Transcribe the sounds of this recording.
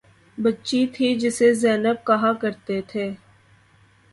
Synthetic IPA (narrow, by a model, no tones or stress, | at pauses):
bɐtːʃit̪ʰid͡ʒɪsezɛːnəb̚kɐɦakɐɾt̪et̪ʰeː